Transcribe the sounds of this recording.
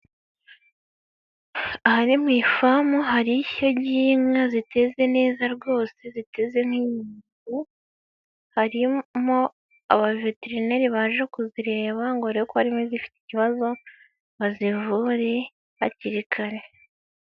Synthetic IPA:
ahaɾimwiːfamuɦaɾiço̞ɟiːmŋazite̞ze̞ne̞ːzaɾɡo̞ːse̞zite̞ze̞ŋhwiːɲiːɡu | haɾimo̞ | a̰βaveteɾine̞ɾiβaːnʒekuziɾe̞ːβaŋɡoɾekohaɾimwezifi̥ti̥ciβazo̞ | βazivuːɾe̞ | βaciɾikʰaɾe̞

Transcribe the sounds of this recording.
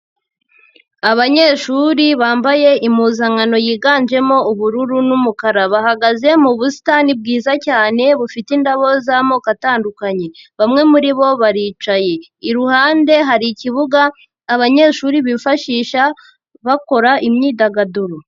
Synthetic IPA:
aβaɲe̞ːʃuːɾiβaːmbaje̞ʔimuzaŋano̞jiːɡaːnd͡ʒe̞mo̞uβuɾuɾunumukaɾaβahaɡaze̞muβusi̥tanib̚ɡiːzacaːne̞βufitindaβo̞zamokataːndukaɲe̞βamŋe̞muɾiβo̞βaɾiːt͡ʃaje̞ | iɾuhaːnde̞ɦaɾiciβuɡaː | βaɲe̞ːʃuːɾiβifaʃiːʃa | βako̞ɾaʔimɲiːdaɡaduɾu

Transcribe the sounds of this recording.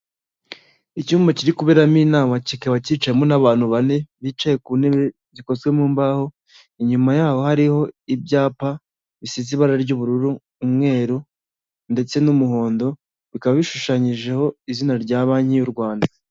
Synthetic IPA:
icuːmbociɾikuβeɾamiːnaːmacikeβaciːt͡ʃajemonaβaːn̥huβane̞βit͡ʃaje̞kuːneβe | βiko̞zɡwe̞muːmbaho̞ | iɲumajaːho̞haɾiho̞ibɟaːpa | βisiziβaɾaɾɟuβuɾuɾuː | mŋe̞ːɾu | nde̞t͡se̞numuɦo̞ːndo̞ | βikaβaβiʃuʃaɲiʒe̞ho̞izinaɾɟaːβaːɲ̥hijuɾɡwaːnda

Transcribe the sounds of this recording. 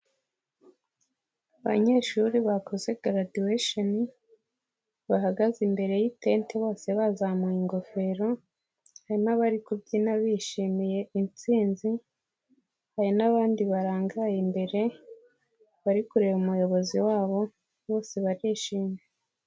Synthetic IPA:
aβa̰ɲe̞ʃuɾiβako̞ze̞ɡɾadieʃoni | βaɦaɡazimbe̞ɾe̞jite̞nteβo̞ːse̞βazamuiŋɡo̞fe̞ɾo̞ | haɾimaβaɾikubɟinaβiʃimije̞int͡siːnzi | haɾinaβaːndiβaɾaːŋɡajimbe̞ɾe̞ | βaɾikuɾe̞βumujo̞βo̞ziwaːβo̞ | βo̞ːse̞βaɾiːʃiːmje

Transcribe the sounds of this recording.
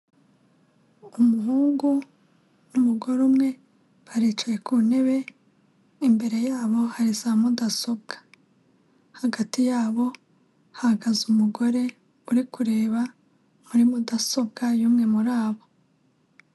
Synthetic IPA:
umuɦuːŋɡu | numuɡo̞ɾumŋe̞ | βaɾit͡ʃaje̞kʰune̞βe̞ | imbe̞ɾe̞jaːβo̞haɾizaːmudaso̞bɡḁ | haɡatijaːβo̞ | hahɡazumuɡo̞ɾe̞ | uɾikuɾe̞ːβa | muɾimudaso̞b̚ɡajuːmŋe̞muɾaːβo̞

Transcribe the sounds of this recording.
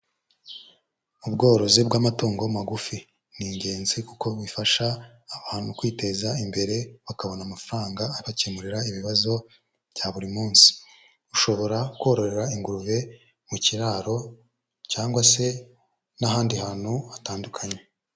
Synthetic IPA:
ubɡo̞ːɾo̞zibɡwaːmato̞ːŋɡo̞maɡufi | niːɲɟe̞ːnzikuko̞βifaʃaː | βaːn̥hukwiːte̞zaimbe̞ɾe̞βakaβo̞namafɾaːŋɡaːɾiβacemuɾiɾaiβiβazo̞ | βjaβuɾimuːnsi̥ | uʃo̞βo̞ɾakuoɾo̞ɾe̞ɾaiŋɡuɾuβe̞ | muciɾaːɾo̞ | caːŋɡwase̞ | nahaːndihaːn̥huataːndukʰaɲe

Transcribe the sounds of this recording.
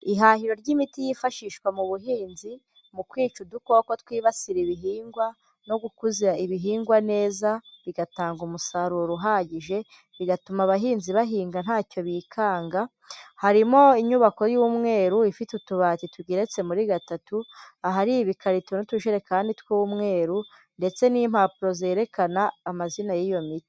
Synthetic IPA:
iɦahiɾo̞ɾɟimitijifaʃiːʃkwamuβuɦiːnzi | mukwiːt͡ʃuduko̞kotwiːβasiɾiβiɦiːŋɡwa | no̞ɡukuziɾaiβiɦiːŋɡwane̞ːzaβiɡataːŋɡumusaɾuɾoɾuɦaːɟiʒe̞ | βiɡatumaβaɦiːnziβaɦiːŋɡan̥aːco̞βiːkʰaːŋɡa | haɾimo̞iɲuβako̞juːmŋe̞ːɾuifitutuβaːtituɡeɾe̞t͡se̞muɾiɡatatuaɦaɾiiβikʰaɾitonutuʃeɾe̞kaːnditwuwumŋe̞ːɾu | nde̞t͡se̞niːmhaːpuɾo̞ze̞ːɾe̞kʰanaːmazinajijo̞miti̥

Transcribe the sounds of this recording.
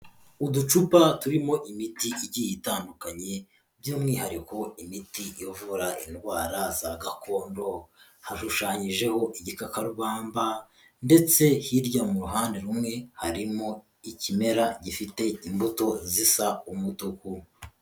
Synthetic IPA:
udut͡ʃupatuɾimo̞ʔimitiiɟijitaːndukaɲe̞ | bjoːmŋihaɾiko̞imitijovuɾainɡwaːɾazaɡako̞ːndo̞ | haʃuʃaːɲiʒe̞ho̞ʔiɟikakaɾuβaːmba | nde̞t͡se̞hiɾɟamuɾuɦaːnde̞ɾumŋe̞ha̰ɾimo̞ | icime̞ɾaɟifite̞imbuto̞zisaumutuku

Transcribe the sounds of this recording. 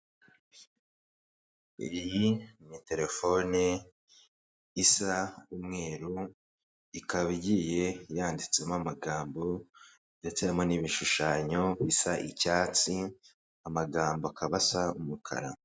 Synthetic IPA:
ijjimɲite̞ɾe̞fo̞ne | isaumŋe̞ːɾu | ikaβiɟije̞jaːndit͡semoamaɡaːmbo̞ | ndet͡semo̞niβiʃuʃaːɲo̞βisaʔicat͡si | amaɡaːmboakʰaβasaumukʰa̰ɾa̰

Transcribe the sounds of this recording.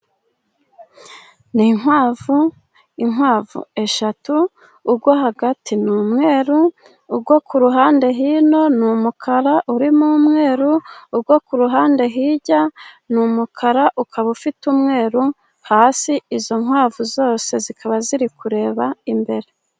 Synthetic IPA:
niŋ̥waːvu | iŋwaːvṵe̞ʃatuː | ɡwoɦaɡatʰinuːmŋe̞ːɾuː | ɡɡwokuɾuɦaːnde̞ɦino̞numukʰaɾaʔuɾimumŋe̞ːɾuːɡwokuɾuɦaːnde̞ɦiːɟa | numukʰaɾaʔukʰaβufitumŋe̞ːɾu | haːsiizo̞ŋwaːvuzo̞ːse̞zikʰaβaziɾikuɾe̞ːβaimbe̞ɾe̞

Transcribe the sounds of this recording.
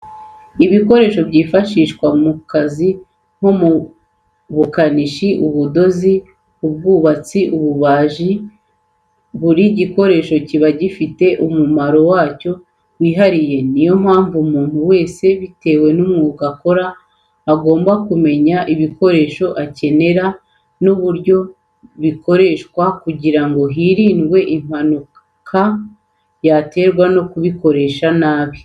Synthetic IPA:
iβiko̞ɾe̞ːʃo̞bɟiːfaʃiːʃkwamukazi | n̥ho̞mu | βukaniʃiʔuβudo̞zi | ubɡuːβat͡siʔuβuβaːʒi | βuɾiɟiko̞ɾe̞ːʃo̞ciβaɟifite̞ʔumumaɾo̞waːco̞ | wiːɦaɾije̞nijo̞m̥haːɱvumuːn̥huwe̞ːse̞βite̞ːwe̞numŋuɡako̞ɾaː | ɡo̞ːmbakume̞ɲaʔiβiko̞ɾe̞ʃo̞ʔace̞ne̞ɾa | nuβuɾɟo̞ | βiko̞ɾe̞ʃkwakuɟiɾaŋɡo̞ɦiɾiːnɡwe̞ʔim̥hanu | kʰa | jate̞ːɾɡwano̞kuβiko̞ɾe̞ʃanaːβ

